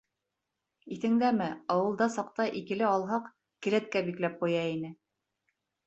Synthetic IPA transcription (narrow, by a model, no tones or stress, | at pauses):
iθɘ̆ŋd̪æmɘɑwɤ̆lˠd̪ɑsɑq̚t̪ɑʔikɘ̆lɘɑlˠɦɑq | kɘ̆ɾæt̪̚kæbiklæp̚qujɑinɘ